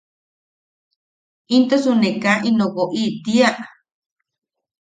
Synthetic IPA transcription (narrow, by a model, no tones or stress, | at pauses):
ĩnt̪osunẽkaʔĩnõɣoʔit̪iaʔa